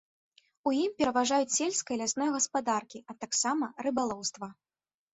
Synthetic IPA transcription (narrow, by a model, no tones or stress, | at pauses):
ujimpʲɛɾɐvaʐajut͡sʲsʲelʲskɐjɐlʲasnɔjɐɣɐspad̪arkʲiɐt̪aksamɐrɨbalˠɔwst̪vɐ